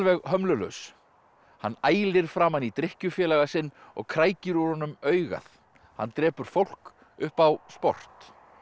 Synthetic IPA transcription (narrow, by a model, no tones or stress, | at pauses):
lvɛɣɦœmlʏlœ̰ɥs | hanːaːjlɪɾ̥fɾamhanːit̪ɾɪhcʏfjɛːlaɣasɪnːɔ̰ɣkʰɾaːjcɪɾʏɾ̥hɔnʏmœːɥɣa̰θ | hanːt̪ɾɛːpʏɾ̥fowl̥k | ʏhpawspɔ̰r̥t̪